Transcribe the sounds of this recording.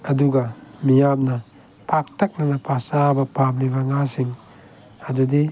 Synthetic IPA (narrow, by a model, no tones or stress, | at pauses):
ɐduɡɐmijamnɐ | pʰak̚tʰɐk̚nɐnɐpʰasabɐpʰamlibɐŋasiŋ | ɐdudi